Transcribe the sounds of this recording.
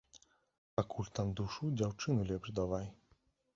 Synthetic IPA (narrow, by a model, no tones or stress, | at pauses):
pakʰulʲt̪amd̪uʂud͡ʑawt͡ʂɨnulʲɛbʐd̪ɔvaj